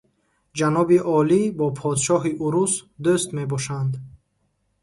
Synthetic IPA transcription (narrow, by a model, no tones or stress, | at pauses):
d͡ʒanɔbiʔɔlibɔpʰɔd̪ʃɔɦiʔuɾusd̪ust̪me̞bɔʃand̪